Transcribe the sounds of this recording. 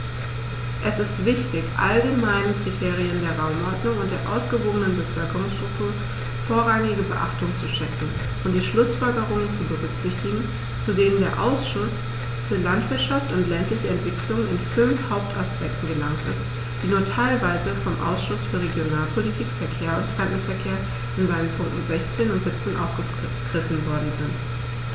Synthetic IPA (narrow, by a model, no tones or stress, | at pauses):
ʔɛsɪstv̥ɪçtɪçʔa̰lɡəmaɪnənkʁ̥itʰeːʁ̞iəndeːɐʁaʊmʔɔɐdnʊŋʊntd̥eːɐʔa̰ʊsɡ̥əvoːɡənənbəfœlkəʁʊŋsʃtʁ̥ʊktʰuːɐ | foːɐʁaŋɪɡəbəʔaχtʊŋt͡suʃɛkŋ̩ | ʔʊntd̥iːʃlʊsfɔlɡəʁʊŋənt͡subəʁʏkz̥ɪçtɪɡŋ̩ | t͡sudeːəndeːɐʔa̰ʊsʃʊs | fyːɐlantv̥ɪɐtʃaftʊntlɛntlɪçəɛntv̥ɪkʰlʊŋənɪnfʏnfhaʊp̚tʰaspɛk̚tn̩ɡəlaŋtɪ̰st | d̥iːnuːɐtʰaɪlvaɪzəfɔmʔa̰ʊsʃʊsfyːɐʁ̞eɡjonaːlpʰolitʰiːkfɛɐkʰeːɐʊntfʁ̥ɛnkn̩fɛɐkʰeːɐ | ʔɪnzaɪənpʰʊŋk̚tn̩zɛçt͡seːnʊntz̥ɪp̚t͡seːnʔa̰ʊfɡ̥ə | ɡ̥ʁɪfn̩vɔɐdn̩zɪnt